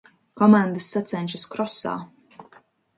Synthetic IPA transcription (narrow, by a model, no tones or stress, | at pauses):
kɔmãnd̪ɨsːat̪sɛnʲʃaskɾɔsa̰ː